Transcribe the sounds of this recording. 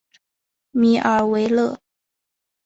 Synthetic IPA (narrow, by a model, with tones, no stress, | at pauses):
mi˧˥ʔə˞˧˥we˧˥ɪlɤ˥˩